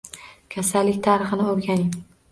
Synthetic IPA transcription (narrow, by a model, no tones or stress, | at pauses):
kʲʰasalːɪkʲt̪ʰaɾɨχɨnɪoɾɡʲanɪm